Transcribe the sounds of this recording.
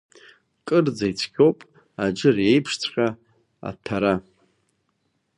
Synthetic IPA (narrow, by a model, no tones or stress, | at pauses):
kʼɨrd͡zajt͡sʷʰkʲʰʼowpʼ | ad͡ʒɨre̞jpʰʂt͡sʷʰʼχʲʼa | a̰tʰaɾa